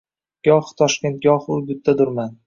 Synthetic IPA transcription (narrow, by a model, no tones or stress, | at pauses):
ɡ̥ɒχt̪ʰɒʃkʲe̞nt̪̚ɡʲɒhʊbɪt̪ʰːad̪ʊɾman